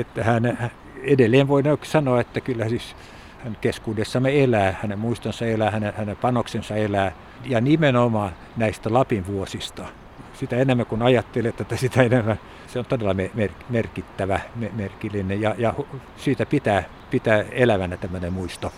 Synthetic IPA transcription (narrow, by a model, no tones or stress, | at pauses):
et̪ːæhænhæ | edelːeːʋʋoinoksɑnoɑet̪ːækylːæsis | hænkeskuːdesːɑmeelæːhænemmuist̪onsɑelæːhænehænempɑnoksensɑelæː | jɑnimenomɑː | næist̪ælɑpinʋuosist̪ɑ | sit̪æenemːækunɑjɑt̪ːelet̪ːet̪ːæsit̪æenemːæ | seont̪odelːɑmemerkmerkit̪ːæʋæmemerkilːinejɑjɑhu | siːt̪æpit̪æː | pit̪æːelæʋænæt̪æmːønemuist̪o